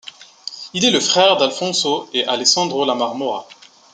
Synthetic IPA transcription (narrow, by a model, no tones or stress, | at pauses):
ilɛləfχɛʁd̪alfɔ̃soeʔaleksɑ̃d̪ʁolamaʁmɔʁa